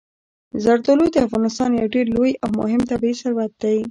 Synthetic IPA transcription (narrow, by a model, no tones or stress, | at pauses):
zaɾt̪olud̪əafɣɑnɪst̪ɑnjawɖeɾlojawmʊ̰ɦɪmt̪abiisaɾwat̪̚d̪aj